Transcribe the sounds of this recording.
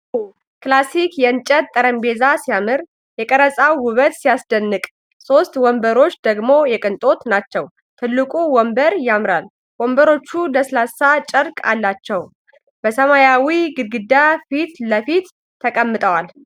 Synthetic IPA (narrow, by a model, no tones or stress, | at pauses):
klasikjɛɨnt͡ʃʼət̪t̪ʼːəɾəmbe̞zasijamɨɾ | jɛkʼəɾəsʼawwʊβət̪sijasd̪ənːɨkʼ | so̞st̪wɔmbəɾo̞t͡ʃːd̪əɡmo̞jɛkʼɨnt̪ʼo̞t̪nat͡ʃːɛw | t̪ʰɨlːɨkʼuwɔmbəɾjamɾal | wɔmbəɾo̞t͡ʃːuləsɨlasːat͡ʃʼəɾkʼa̰lːat͡ʃːɛw | bəsəmajawiɡɨɡɨd̪ːafit̪ləfit̪ʰː | əkʼəmːɨt̪ʼəwal